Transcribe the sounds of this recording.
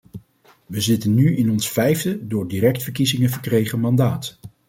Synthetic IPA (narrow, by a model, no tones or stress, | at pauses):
ʋəzɪtənːyɪnɔnsfɛjvdədʊːɹdirɛk̚tfəɹkizɪŋəvəɹkrejχəmɑndaːt